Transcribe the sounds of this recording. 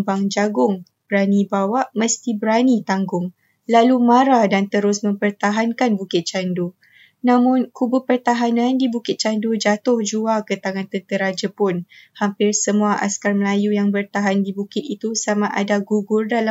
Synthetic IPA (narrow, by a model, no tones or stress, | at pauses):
baŋd͡ʒaɡʊŋ | b̥əɾanibawaʔməst̪ibəɾanit̪aŋɡʊŋ | lalumãɾadant̪əɾʊsmə̃mpərt̪aɦankanbukɪt̪̚t͡ʃandu | nãmʊ̃nkubʊpərt̪aɦanãndibukɪt̪̚t͡ʃandud͡ʒat̪ʊhd͡ʒuakət̪aŋãnt̪ənt̪əɾad͡ʒəpʊnhampɪrsəmũaʔa̰skarməlajujaŋbərt̪aɦandibukɪt̪̚it̪usamaʔa̰daɡuɡʊrdala